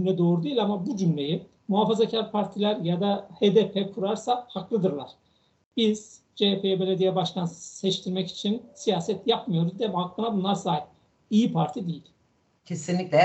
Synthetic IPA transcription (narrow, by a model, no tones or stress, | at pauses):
mlʲɛd̪o̞ːɾud̪eilʲamabud͡ʒymlʲe̞ji | muɦaːfazacʰaɾpʰaɾt̪ʰilʲæɾjad̪ahed̪epʰɛkʰuɾaɾsahaklˠɯd̪ɯɾlˠa̰ɾ̥ | b̥iz̥ | d͡ʒepʰeɛbe̞lʲed̪ijɛbaʃt̪ʰansɛt͡ʃt̪ʰiɾmɛci̥t͡ʃʰinsijaːsɛt̪ʰjapmɯjo̞ɾuzd̪ɛhaklˠɯnabunlˠaɾsaːip̚ | ijipʰaɾt̪ʰid̪ejilʲ | cʰesinlʲiclʲɛ